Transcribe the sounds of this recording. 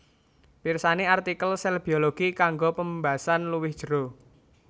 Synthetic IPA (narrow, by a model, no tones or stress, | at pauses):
pirsaneart̪ikəlsɛlb̥ioloɡ̥ikaŋɡopəmbasanluwɪhd̥ʒ̥əɾo